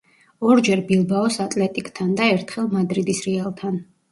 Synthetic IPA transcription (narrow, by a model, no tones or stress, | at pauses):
ɔɾd͡ʒɛɾbilˠbaɔsat̪ʼlɛt̪ʼikʼt̪ʰand̪aɛɾt̪ʰχɛlˠmad̪ɾid̪isɾɛalˠt̪ʰan